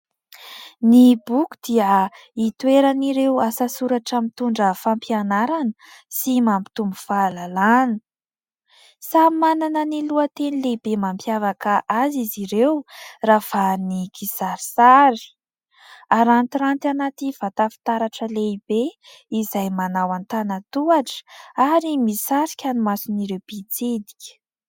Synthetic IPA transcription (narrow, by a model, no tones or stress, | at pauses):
nibukud̪iə | it̪weɾaniɾewasasuɾaʈ͡ʂamit̪uɳɖ͡ʐəfampianaɾanə | simampi̥t̪umbufalalanə̥ | samananəniluət̪enileibemampjavakəʔaziziɾewrafanikisaɾisaɾi̥ | aɾant̪iɾant̪ianat̪iv̥at̪afi̥t̪aɾaʈ͡ʂəleibe | izajmanawant̪anat̪uaʈ͡ʂə̥aɾimisaɾikʲanumasiniɾewb̥it͡sed̪i̥kʲə̥